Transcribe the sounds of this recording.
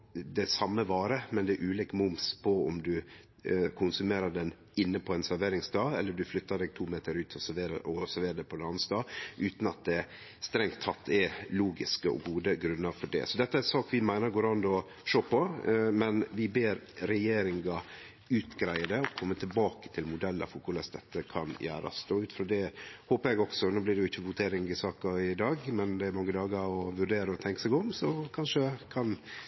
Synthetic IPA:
d̪ɛsɑmːəʋɑːɾəmɛnd̪ɛʔʉːlikmʊmspʰɔɔ̰md̪ʉ | kʰʊnsʉmeːɾəɖɛn | ɪnːəpʰɔɛnsæɾʋeːɾɪŋsd̪ɑːɛlːəɖʉflʏt̪ːɑd̪ɛːɡ̚t̪ʰuːmeːt̪əɾʉːt̪ʰɔsæʋeːɾə̰ʔɔsæɾʋeːɾəd̪ɛpʰɔd̪ɑnːəsd̪ɑːʔʉːt̪nɑt̪̚d̪ɛ | st̪ɾɛŋt̪ʰːɑt̪ʰːɛluːɡɪskəɔ̰ɡuːd̪əɡɾʉnːəɾfɔɖɛ̰sɔd̪ɛt̪ːəæɾsɑːkʋɪmæɪnəɾɡoːɾɑnd̪ɔ | ʂøːpɔmɛnʋɪbeːɾɾɛjeːɾɪŋɡɑ | ʉːt̪ɡɾæɪəd̪ɛɔkʰɔmːət̪ʰɪlbɑːkə̥t̪ʰɪlmʊd̪ɛlːɑ̰fʊkʊləst̪d̪ɛt̪ːəkʰɑnjæ̰ːɾɑ̰st̪oːʉːt̪fɾoːd̪ɛhoːpəɾɛɡɔksɔnoːblɪɖɛjʊɪçːəʋʊt̪ʰeːɾɪŋɪsɑːkɑɪd̪ɑːɡmɛnd̪ɛæɾmɑŋːəd̪ɑːɡɑɾɔʋʉɾɖeːɾəɔt̪ʰɛŋkəsɛɡɔmsɔkʰɑnʂəkʰɑn

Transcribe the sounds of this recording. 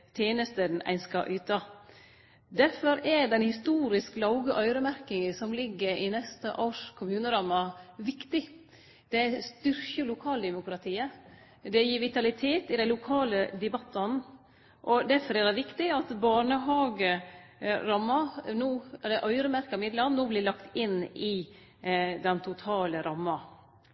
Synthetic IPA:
t̪ʰjeːnəst̪əd̪n̩ʔæ̰ɪnskɑ̰ʔʉːt̪ɑ | d̪æɾfɔɾɛɖɛnhɪst̪uːɾɪsklɑʊɡəʔœʏɾəmæɾkɪŋəsɔmlɪɡːəɾɪnɛst̪ə̰ʔoːʂkʰʊmʉːnəɾɑmːɑʋɪkt̪ɪ | d̪̥ɛæst̪ʏɾkəlʊkʰɑːld̪ɛmʊkɾɑt̪ʰiːə | d̪ɛjiːɾʋɪt̪ɑlɪt̪ʰeːt̪ɪd̪æɪlʊkʰɑːləd̪ɛbɑt̪ːɑn | ʔɔd̪æɾfɔɾæd̪ɛʋɪkt̪ɪɑt̪bɑːɳəɦɑːɡə | ɾɑmːɑnoːɛlːəɾʔœʏɾəmæɾkɑɪmɪd̪lɑnnoːblɪlɑkt̪ɪnːɪ | d̪ɛnt̪ʰʊt̪ʰɑːləɾɑmːɑ

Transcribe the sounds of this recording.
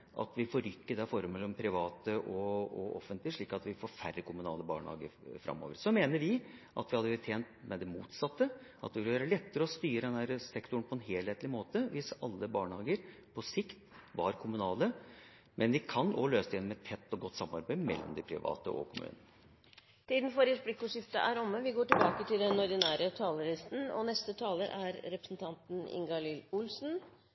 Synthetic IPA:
ʔɑ̰t̪ʋɪfoːɾʏkːəd̪ɛfɔɾəmɛlːɔmpʰɾɪʋɑːt̪əʔɔɔɔfənt̪lɪʂɭiːkɑt̪ʋɪfoːɾfærəkʰʊmʉnɑːləbɑ̰ːɳhɑ̰ːɡə̰ɾfɾʔɑ̰mːo̰ːʋəɾsɔmeːnəɾʋɪʔɑt̪ʋɪhɑd̪əʋt̪ʰeːnt̪mɛd̪ɛmuːt̪sɑt̪ːəʔɑt̪ʋɪljøːɾəlɛt̪ːəɾəɔst̪yːɾəd̪ɛndæɾəsɛkt̪ʊɳ̩pʰɔɛnɦeːlheːt̪lɪmoːt̪əʋɪsɑlːəbɑːɳəhɑːɡəɾ | pʰɔsɪkt̪ʋɑɾkʰʊmʉnɑːlə | mʔɛnʋɪkʰɑnɔ̰løːsəɛnːmɛt̪ʰːɛt̪ːɔɡɔt̪ːsɑmːɑ̰ɾbæɪmɛ̰lːɔ̰md̪ɪpʰɾɪ̰ʋɑ̰ːt̪ə̰ʔɔ̰kʰʊmʉ̰ːnən | t̪ʰiːd̪n̩fɔɾəsblɪkːʊʂɪft̪əʔæɾɔmːəʋɪɡoːʈɪlbɑːkət̪ɪld̪ɛnɔɖ̪ɪnæːɾət̪ʰɑːləɾɪst̪n̩ɔ̰nɛst̪ət̪ʰɑːləɾʔæɾɾɛpɾəsnt̪ʰɑnt̪nɪ̰ŋɡɑlilʊlsn̩

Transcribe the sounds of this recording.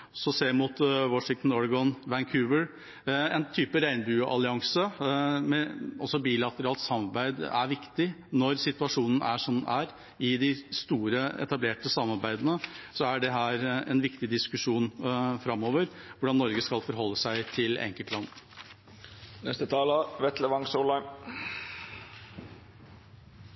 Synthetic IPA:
ɔsɔseːmʊt̪ʋɔʂɪŋt̪n̩ɔɾɡɔnʋæŋkʰʉːʋəɾ | ɛnt̪ʰyːpəɾæɪnəbʉːʔɑ̰lɪɑŋsəmɛʔɔsɔbiːlɑt̪əɾɑːlt̪sɑmɑɾbæɪd̪æ̰ɾʋɪkt̪ɪ | nɔɾsɪt̪ʉɑʂuːnən̩æʂɔnæɾ | ɪd̪ɪst̪uːɾəɛ̰t̪ɑbleːʈəsɑmːɑɾbæɪd̪ənəsɔæɖɛɦæːɾɛ̰nʋɪkt̪ɪd̪ɪskʉʂuːnfɾɑmːoːʋəɾ | ʋʊɖɑnːɔɾɡəskɑlfɔɾɦɔlːəsæɪt̪ʰɪlɛ̰ŋkəlt̪lɑnː | nɛst̪ət̪ʰɑːləʋɛt̪ləʋɑŋsoːlɑɪm

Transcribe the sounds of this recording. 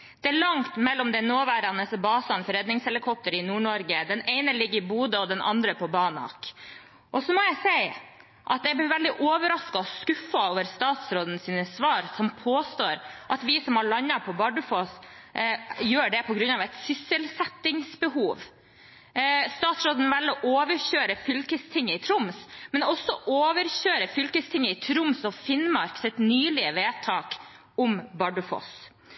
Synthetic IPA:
d̪̥ɛæɭɑŋt̪mɛlːɔmd̪ɛnoːʋæːɾɑnəsɔbɑːsɑnfɔɾɛd̪nɪŋshɛləkʰɔp̚t̪əɾɪnuːɳɔɾɡəd̪ɛneɪnəlɪɡːəɾɪbuːd̪əɔd̪ɛnʔɑ̰nd̪ɾəpʰɔbɑːnɑ̰k | ʔɔsɔmɔjæɪsæɪ | ʔɑt̪jɛb̪ɪʋɛld̪ɪʔoːʋəɾɑskɑɔskʉfːɑoːʋəɾst̪ɑːt̪sɾoːd̪ənsiːnəsʋɑːɾsɔmpʰoːst̪oːɾʔɑt̪ʋɪsɔmhɑɭɑnːɑpʰɔbɑɖəfos | jøːɖɛpʰɔɡɾʉnɑːʋɛt̪sʏsːəlsɛt̪ːɪŋsbəhuːʋ | st̪ɑːt̪sɾoːd̪nʋɛlːɔʔoːʋəɾçøːɾəfʏlkəst̪ʰɪŋːəɪt̪ʰɾʊmsmɛnɔsːɔʔoːʋəɾçøːɾəfʏlkəst̪ʰɪŋːəɪt̪ʰɾʊmsɔfɪnmɑɾksɪt̪nyːlɪəʋeːt̪ʰɑːk | ʊmbɑɖəfo̰ːs

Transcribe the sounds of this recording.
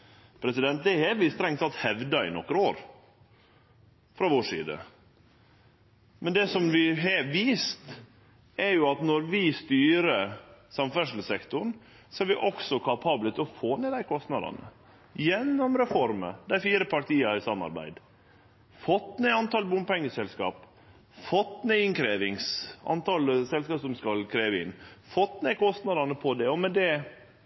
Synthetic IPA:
pʰɾɛsɪd̪ɛnt̪̚d̪ɛhɛʋɪst̪ɾɛŋt̪ɑt̪hɛʋd̪ɑɪ̰nɔ̰kːɾəoːɾ | fɾɑʋoːʂḭːd̪ə̰ | mʔɛnd̪ɛsɔmʋɪɦɛʋiːst̪ | ɛɾjʊɑt̪nɔɾʋɪst̪yːɾəsɑmfæʂl̩sɛkt̪ʊɳ | sɔæɾʋɪʔɔksɔkʰɑpʰɑːblət̪ʰɪlɔfoːneːd̪æɪkʰɔst̪nɑd̪ɑ̰nə̰ | jɛnːɔmɾɛfɔɾmə̰d̪æɪfiːɾəpʰɑʈʰiːɑɾɪsɑmːɑ̰ɾbæ̰ɪd̪ | fɔt̪ːneːɑnt̪ɑlbʊmpɛŋːəsɛlskɑ̰ːp | fɔt̪ːneːɪnkʰɾeːʋɪŋsɑ̰nt̪ʰɑlsɛlskɑːpsɔmskɑlkʰɾeːʋəɪ̰nːfɔt̪ːneːkɔst̪nɑd̪ɑnəpʰɔd̪ɛɔmɛd̪ɛ

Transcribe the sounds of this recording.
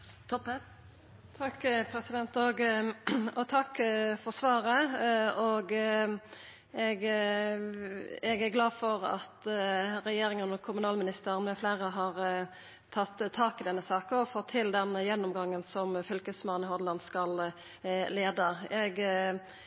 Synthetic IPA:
t̪ʰɔp | t̪ʰɑkːpʰɾɛsɪd̪ɛnt̪ɔɡ | ɔt̪ʰɑkːfɔʁsʋɑːɾəɔɡ | ɛɡ | ɛɡæɾɡlɑːdfɔɾɑ̰t̪ɾɛjeːɾɪŋənɔkʰʊmʉnɑːlmɪnɪst̪əɾnmɛfleːʁəɦɑɾ | t̪ʰɑt̪ʰːɑːkɪd̪ɛnːəsɑːkɔfɔt̪ʰːɪld̪ɛnjɛnːɔmɡɑŋːənsɔmfʏlkəsmɑːnɪhɔd̪lɑnd̪skɑl | leːd̪əɛɡ

